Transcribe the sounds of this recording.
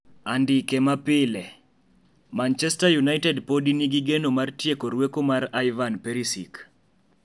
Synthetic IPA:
andɪkemapɪlɛ | mant͡ʃɛstajunaɪtɛdpodiniɡiɡenomartjekoɾwekomaɾajvanpeɾisik

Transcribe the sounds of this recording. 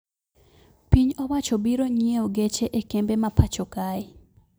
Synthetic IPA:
piɲɔwat͡ʃɔbiɾoɲeoɡet͡ʃeʔekembemapat͡ʃokaɪ

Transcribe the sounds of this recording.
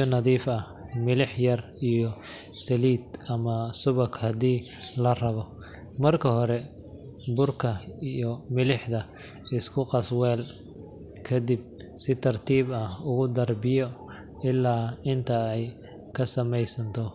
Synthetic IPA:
ɔnɐðiːfɐhmɪlɪħjɐr | ijɔsɐliːd̪ʔɐmɐsʊβɐkhɐd̪iːlɐrɐβɔ | mɐrkʰɐɦɔɾɛ | bʊrkʰɐijɔmɪlɪħd̪ɐ | ɪskʰʊqɑswɛːl | kʰɐd̪ib̚ | sɪt̪ʰɐrt̪ʰiːbɐhʊɣʊd̪ɐrbɪjɔ | ɪlːaːɪnt̪ʰɐɛj | kʰɐsɐmɛjsɐnt̪ʰɔ

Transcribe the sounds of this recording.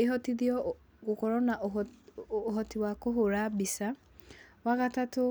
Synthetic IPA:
eɦɔtid̪iɔ | kokɔɾɔnaʔ | ɦɔtʰiwakoɦoɾabisa | waɣatato

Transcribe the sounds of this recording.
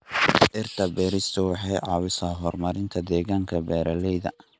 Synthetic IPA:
ʔɪrt̪ʰɐbɛːɾɪst̪ʰʊwɑħɑjʕɑːwɪsaːɦɔrmɐɾɪnt̪ʰɐd̪ɛːɣaːŋkʰɐbɛːɾɐlɛjðɐ̰

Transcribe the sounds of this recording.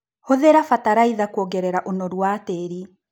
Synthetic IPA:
hoðeɾafataɾaiðakwɔɡɛɾɛɾaʔonɔɾwateɾi

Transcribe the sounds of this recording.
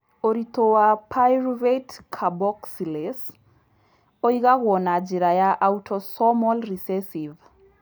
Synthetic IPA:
oɾit̪owapʰajɾvetkʰabɔksiles | oiɣaɣwɔnad͡ʒiɾajaʔautʰɔsɔmɔlrisɛsiv

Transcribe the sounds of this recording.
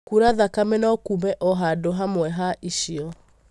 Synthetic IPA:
kuɾaðakamenɔkumɛʔɔɦadoɦamwɛɦaʔiʃiɔ

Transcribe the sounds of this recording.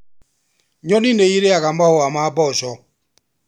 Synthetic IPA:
ɲɔnineiɾeaɣamahoamabɔsɔ

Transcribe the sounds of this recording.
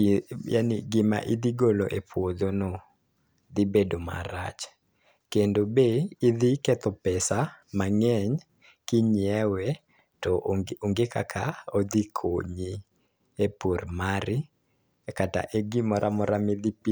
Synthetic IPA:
ja̰niɡɪma̰ʔid̪iɡoloʔepʰwod̪onɔ | d̪ibedoma̰ɾa̰t͡ʃ | kendobeːd̪ikɛt̪ɔpɛsamaŋɛɲ | kɪɲiɛwɛ | tɔʔoŋɡeka̰kʰaod̪ikʰoɲi | epoɾmaɾɪ | kata̰ʔeɡɪmɔɾʔamɔɾamɪd̪ipi

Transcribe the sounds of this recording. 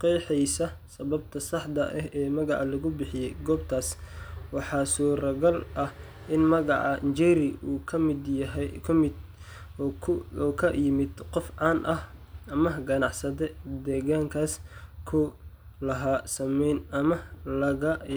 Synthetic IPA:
qɛjħɛjsɐsɐβɐb̚t̪ʰɐsɑħd̪ɐʔɛɦɛːmɐɣɑ̰ʕɑlɐɣʊbɪħɪjɛjɡɔːb̚t̪ʰaːswɑħɑːsuːɾɐɣɐlʔɐh | ʔɪnmɐɣɑ̰ʕɑ̰ʔnt͡ʃɛɾɪʔuːkʰɐmɪd̪jɐɦɛkʰɪd̪ʰ | kʰɐjɪmɪd̪qɔfʕɑːnʔɐhɐmɐɡɐnɑʕsɐðɛd̪ɛːɣaːŋkʰaːskʰʊ | lɐɦaːsɐmɛjnɐmɐlɐɣɐ

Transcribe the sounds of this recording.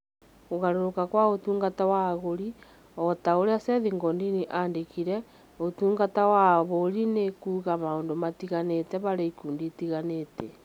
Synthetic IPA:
ɣoɣaɾoɾokakwaotuːŋɡatawaɣoɾi | ɔtaoɾeasɛðiŋɡɔndiniʔandekiɾɛ | otuːŋɡatawaβoɾinekuːɣamaoːndomatiɣanetɛβaɾeikuːnditiɣanetɛ

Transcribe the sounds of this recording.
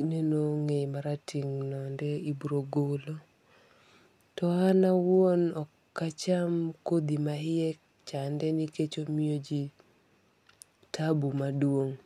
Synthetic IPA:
nenoŋemaɾatʰiŋnɔndeibɾoɡolo | tɔanawonɔkːat͡ʃamkod̪imaɪɛ | t͡ʃandɛniket͡ʃomiod͡ʒi | tʰabumadwoŋ

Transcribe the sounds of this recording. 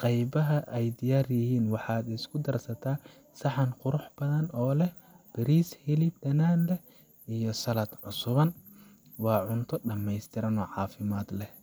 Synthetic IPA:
qɑjbɐɦɐʔɛjd̪ɪjaːrjɪɦiːnwɑħɑːd̪ɪskʰʊd̪ɐrsɐt̪ʰaː | sɑħɑnqʊɾʊħb̥ɐðɐnɔːlɛ | b̥ɛɾiːshɪlɪb̚d̪ɐnaːnlɛ | ijɔsɐlɐd̪ʕʊsʊβɐn | wɑːʕʊnt̪ʰɔɖɐmɛjst̪ʰɪɾɐnɔːʕɑːfɪmaːd̪lɛh

